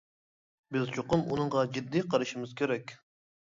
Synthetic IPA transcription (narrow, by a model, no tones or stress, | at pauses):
bɪzt͡ʃʰoqʊmunɨŋʁɑd͡ʒid̪ːiqʰɑɾɨʃimɪzkʲʰøɾɛkʲ